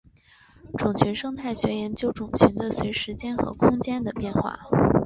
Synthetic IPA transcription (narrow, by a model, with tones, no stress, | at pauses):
ʈ͡ʂʊ˨˩ŋt͡ɕʰy˧˥nʂɤ˥ŋt̪ʰa˥˩ɪɕɥɛ˧˥jɛ˧˥nt͡ɕjo˥ʊʈ͡ʂʊ˨˩ŋt͡ɕʰy˧˥nd̪ə˧swe˧˥ɪʂɻ̩˧˥t͡ɕjɛ˥nxɤ̰˧˥kʰʊ˥ŋt͡ɕjɛ˥nd̪ə˨pjɛ˥˧nxwa̰˥˩